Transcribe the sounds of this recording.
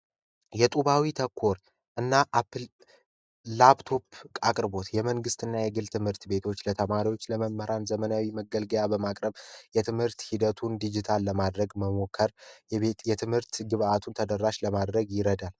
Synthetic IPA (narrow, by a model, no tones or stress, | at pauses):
jɛt̪ʼuβawit̪ʰəkʰːo̞ɾ | ʔɨnːaʔapː | laβt̪ʰo̞pʰkʼakʼɾbo̞t̪jɛməŋɡɨst̪ɨnːajɛɡɨlt̪ʰɨmhɨɾt̪be̞t̪ʰo̞t͡ʃːlət̪ʰəmaɾiwo̞t͡ʃːləməmːəɾanzəmənawiməɡəlɡəjabəmakʼɾəβjɛt̪ʰɨmhɨɾt̪hid̪ət̪ʰund̪id͡ʒit̪ʰalːəmad̪ɾəɡməmo̞kʰːəɾ | jɛt̪ʰɨmhɨɾt̪ɡɨβat̪ʰunt̪ʰəd̪əɾːaʃləmad̪ɾəɡjɪɾəd̪al